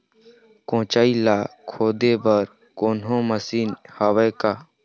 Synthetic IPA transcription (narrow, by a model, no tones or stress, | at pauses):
kõːt͡ʃaːilaːkʰoːd̪ebəɾ | koːnɦõməsiːnhaːweːkaː